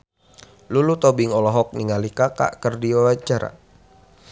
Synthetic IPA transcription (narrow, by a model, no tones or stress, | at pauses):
lulut̪ɔbɪŋɔlɔɦɔk̚niŋalikaka̰ʔkərdiwawat͡ʃaɾa̰